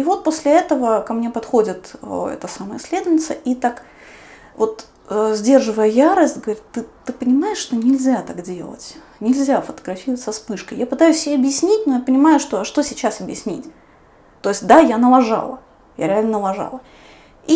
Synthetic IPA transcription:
ivo̞t̪̚posʲlʲɪɛt̪əvəkɐmnʲe̞pɐt̪xo̞dʲɪt̪ːɛ̰t̪əsaməjɪsʲlʲe̞d̪ʊvnʲɪt̪səʔit̪ak | vo̞t̪ | əzʲdʲe̞rʐɨvəjəjaɾəsʲtʲɡəvɐɾʲit̪t̪ːɨt̪ːɨpənʲɪmajɪʂʂt̪o̞nʲɪlʲzʲat̪aɡdʲe̞̰lˠə̰tʲ | nʲɪlʲzʲafət̪əɡɾɐfʲirəvətʲsɐspɨʂkəjapɨt̪ajʉsʲːɪbʲeɐbjɪsʲnʲitʲnojapənʲɪmajʊʂt̪oɐʂt̪o̞sʲɪt͡ɕasɐbjɪsʲnʲḭtʲ | t̪o̞ɪsʲt̚ʲd̪ajanəlˠɐʐa̰lˠə | ja̰ɾʲɪalʲnənəlˠɐʐa̰lˠə | i

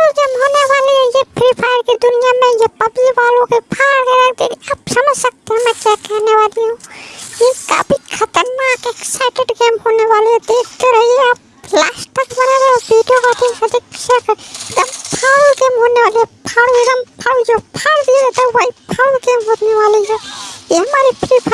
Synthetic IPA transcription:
lɡeːmɦoːneʋaːleɦɛ̃jepʰɾipʰaːjəɾkid̪ʊnijamẽjepɐbiʋaːlõkepʰaːɽkeɾakʰd̪ekiapsɐməd͡ʒsək̚t̪eɦɛ̃mɛ̃kjakɛɦneʋaːliɦũjeka̰bʱikʰɐt̪əɾnaːkeksaɪkeʈɡeːmɦoːneʋaːleɛ̃d̪eːkʰt̪eɾəɦieap̚ | laːsʈəkbənaɾəbʱiɖijokat̪iɦəd̪ikʃʰakəɾd̪əmpʰaːɽlɡeːmɦoːneʋaːleɦɛpʰaːɽuiɾəmpʰaːɽud͡ʒopʰaːɽd̪iet̪əʋəipʰaːɽɡeːmɦoːneʋaːliɦɛjeɦəmaːɾipʰɾipʰ

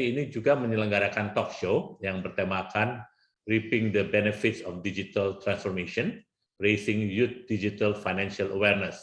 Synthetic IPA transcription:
inid͡ʒuɡaməɲələŋɡaɾakant̪ɔk̚ʃojaŋbərt̪amakan | ripɪŋd̪əbɛnəfɪt̪sɔfdid͡ʒit̪alt̪ɾansfɔrmeʃiɔn | resɪŋjut̪̚d̥id͡ʒit̪alfajnanʃialəwɛrnəs

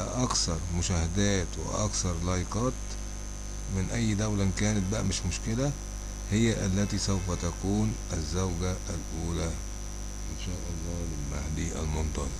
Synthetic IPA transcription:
ʔɑksɑɾˤmʊʃæhæd̪æːt̪wɪ̰ʔɑ̰ksɑɾˤlɑjɪqɑːt̪ | mɪnʔæjːd̪æwlænkæːnæt̪̚bæʔæmɪʃmʊʃkɪlæ | hɪjːæʔælːæt̪isæwfæt̪ækuːnʔæzːæwɡæælʔuːlæ | ʔɪnʃæːʔɑlˤːɑːlɪlmahd̪iːʔæ̰lmont̪ˤɑn

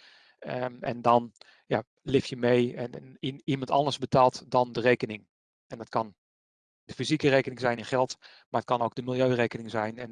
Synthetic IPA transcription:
ɛ̰ndɔn | ja | lɪfjəmejɛnnimɑntɑ̰ndəɹzbətaːlˠtdɔndəreːkənɪŋ | ɛndɔtkɑn | d̥əfizikəreːkənɪŋzɛjnɪnχɛlˠt | maət̚kɑnoːɡ̚dəmɪlˠjøːreːkənɪŋzɛjnɛn

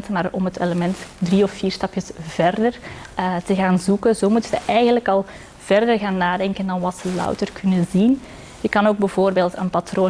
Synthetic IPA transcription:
tmaːrɔmɦətʰeləmɛntdriɔfːiːrstɑpjəsv̥ɛrdərətəɣaːnzukənzoːmutəzəʔɛjɣənləkɑlˠ | v̥ɛrdərɣaːnːaːdɛŋkəndɑnʋɑtsəlœ̰wtərkʰɵnəzin | jəkɑnoːɡ̚bəvoːrbeːlˠtə̰npatroː

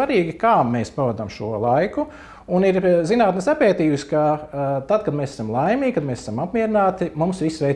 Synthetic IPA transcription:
aɾiːɡʲikaːmeːspaʋad̪amʃuɔlˠajku | uniɾzinaːt̪nisapɛːt̪iːuskat̪ad̪̚kad̪mɛːsæ̥samlˠajmiːɡʲkad̪mesɛ̥samapmʲiɛɾɪnaːt̪imumsʋisʋɛj

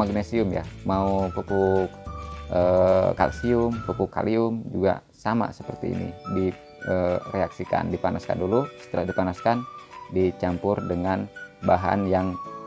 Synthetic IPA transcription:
maɡnesiʊmja̰maupəku | ʔəka̰lsiʊmpəpuka̰liʊmd͡ʒuɡa̰ | sama̰səpərt̪ḭːnḭdi | əreaksika̰ndipanaska̰ndulusə̥t̪əlahdipanaskandit͡ʃampʊrdəŋanbaɦa̰njaŋ

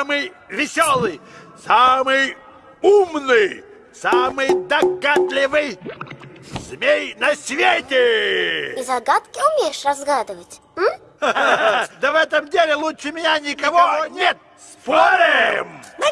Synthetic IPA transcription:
amɨjvʲɪsʲolˠɨjsamɨj | umnɨj | samɨjd̪ɐɡat̪lʲɪvɨj | z̥mʲejnɐsʲvʲetʲɪ | izɐɡat̪kʲɪʊmʲejɪʂrɐzɡad̪ɨvətʲ | m̩ | d̪əvɛt̪əmdʲelʲɪlˠuʂɨmʲɪnʲanʲɪkɐvonʲet̪̚ | spoɾʲɪmm

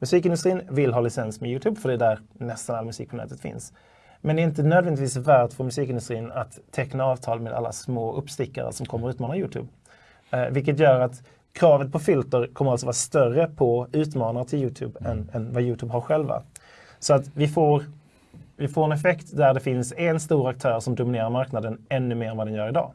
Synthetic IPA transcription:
mɵsiːkɪnd̪ɵst̪ɾiːnvɪlɦɑːlɪsɛnsmɛjʉːt̪ʰʉːbfœɖɛd̪æɾnɛst̪analamɵsiːk̚pʰɔnɛ̰ːt̪ət̪fɪ̰ns | mɛnɛɾɪnt̪ənøːd̪vɛnd̪ɪt̪viːsvæːʈfəɾmɵsiːkɪnd̪ɵst̪ɾiːnat̪ʰːɛknaɑːvt̪ʰɑːlmeːd̪a̰lːa̰smoːʔɵpst̪ɪkːa̰ɾə̰sɔmkʰɔmːəɾʉːt̪mɑːnajʉːt̪ʰʉ̰ːb | vɪlk̬ːət̪̬jœːɾat̪ | kʰɾɑːvət̪̚pʰɔfʏlt̪əɾkʰɔmːəɾalsɔvɑːɾast̪œrəpʰɔʉ̟ːt̪mɑːnaɾət̪ʰɪljʉːt̪ʰʉ̰ːbɛnɛnvajʉːt̪ʰʉːbɦaɾɧɛlva̰ | sɔat̪vɪfoːɾ | vɪfoːɾɛnɛfɛkt̪d̪æɖɛfɪnsɛnst̪uːɾak̚t̪ʰœːɾʂɔmd̪ʊmɪneːɾaɾmaɾknad̪ənɛnːɵmeːɾɛnvad̪ɛnjœːɾɪd̪ɑ̰ː

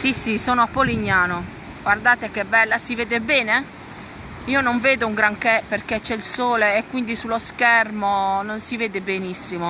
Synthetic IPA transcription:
sisisoːnoapːoliɲːaːno | ɡward̪aːt̪ek̟ɛbːɛlːasiveːd̪ebɛːne | iːonoɱveːd̪ouŋɡɾaŋkɛperket͡ʃːɛilsoːleːkːwind̪isulːoskɛrmononsiveːd̪ebenisːimo

